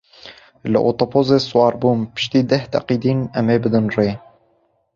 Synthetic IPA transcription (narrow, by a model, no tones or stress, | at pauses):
lɨ̰ʔoːt̪opʰoːzeːswɑːɾbuːnpɨ̥ʃt̪iːd̪ɛht̪æ̰qiːd̪iːnɛmeːbɨd̪ɨnreː